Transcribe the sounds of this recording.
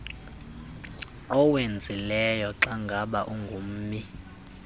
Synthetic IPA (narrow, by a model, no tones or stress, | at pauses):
ɔwend͡zʱilɛjɔǁaŋɡʱaɓaʔuŋɡʱum̩ːmi